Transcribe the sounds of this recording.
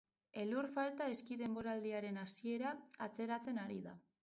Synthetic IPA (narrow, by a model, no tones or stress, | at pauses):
e̞luɾfalt̪ae̞skiðe̞mbo̞ɾald̪iaɾe̞nasie̞ɾaːt͡se̞ɾat͡se̞naɾiða̰